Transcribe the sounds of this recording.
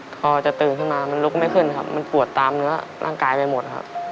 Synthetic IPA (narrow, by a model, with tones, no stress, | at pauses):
pʰɔː˧t͡ɕa˨˩t̪ɯː˨˩nt̪ʰa˥˩wnaː˧ma˧nlu˦˥k̚maː˥˩jkʰɯ˥˩nkʰa̰˦˥p̚ma˧npu˨˩ət̪ːaː˧mnɯ˦˥ɐɾa̰ː˥˩ŋkaː˧jpa˧jmo˨˩t̪̚kʰa̰˦˥p̚